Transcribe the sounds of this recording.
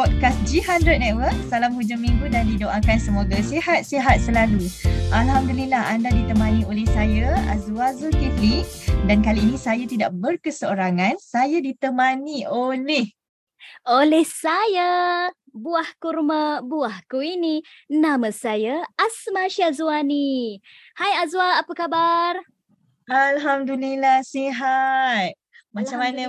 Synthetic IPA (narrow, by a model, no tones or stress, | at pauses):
pɔt̚kas̚d͡ʒiɦandɾət̪̚nɛt̪̚wərk̚salamhud͡ʒamĩŋɡudandidoʔakansəmoɡasehat̪̚seɦat̪̚səlaluʔalhamdulilahandadit̪əmãniolɛhsajaa̰zuazuk̪iflik̚dankaliːnĩsajat̪idaʔ̚bərkəsəoɾaŋãnsajadit̪əmaniolɛh | olɛhsaja | buahkurmə̃buahkuininamə̃sajaasmaʃiazuani | hajazwaːpəkabar | ʔalɦamdulilahseɦat̪̚ | mat͡ʃamanə̃